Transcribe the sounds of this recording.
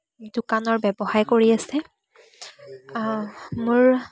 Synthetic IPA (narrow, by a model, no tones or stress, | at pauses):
dʊkanɔɹbɛbɔhaɹkoɹiasɛ | mʊɹ